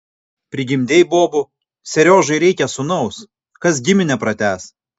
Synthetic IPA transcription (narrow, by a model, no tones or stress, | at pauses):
pʲɾʲɪɡʲɪmʲd̪ʲejboːbʊ | sʲɛɾʲoːʒɐɪɾʲɛɪkʲɛsʊnɐʊs | kɐs̬ɡʲɪmʲɪnʲɛpɾɐt̪ʲæːs